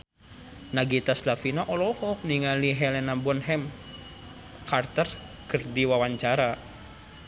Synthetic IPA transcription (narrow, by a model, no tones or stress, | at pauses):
naɡit̪aslafinaʔɔlɔhɔk̚niŋaliɦɛlɛnabɔnɦɛm | kart̪ər | kɨrdiwawaɲt͡ʃaɾa